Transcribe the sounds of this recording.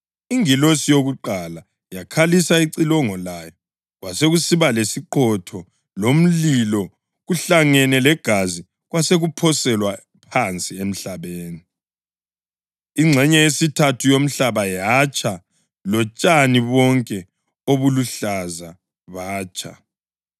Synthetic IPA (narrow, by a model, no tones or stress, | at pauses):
iŋilosijoɣuǃala | jakʰalisaiǀilɔŋɔlajɔ | ɣwaseɣusiβalesiǃʰɔtʰɔ | lom̩lilɔ | ɣuɬaŋɛnɛlɛɡ̥ʱazi | ɣwaseɣupʰɔsɛlwa | pʰant͡sʼiem̩ɬaβeːni | iŋ͡ǀʱɛɲɛesitʰatʰujom̩ɬaβajat͡ʃʼa | lɔt͡ʃʼaniβɔŋkʼɛ | oβuluɬaza | βaːt͡ʃʼʰa̰